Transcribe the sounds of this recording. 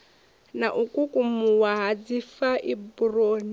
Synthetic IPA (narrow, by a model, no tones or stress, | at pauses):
naʔukʼukʼumuwaɦad͡zifaʔiburoːni